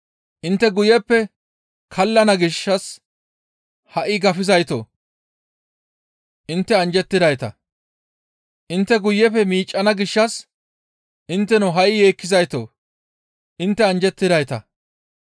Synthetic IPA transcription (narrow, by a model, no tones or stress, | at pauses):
ʔɪnt̪ːɛɡʊjɛpːɛ | kʰɐlːɐnɐɡɪʃːɐs | hɐʔɪɡɐfɪzɐjt̪o̰ː | ʔɪnt̪ːɛɐnd͡ʒɛt̪ːɪd̪ɐjt̪ɐ̰ | ʔɪnt̪ːɛɡʊjːɛpɛmiːt͡ʃʼːɐnɐɡɪʃːɐs | ʔɪnt̪ːɛnɔɦɐʔɪjeːkːɪzɐjt̪o̰ː | ʔɪnt̪ːɛɐnd͡ʒɛt̪ːɪd̪ɐjt̪ɐ̰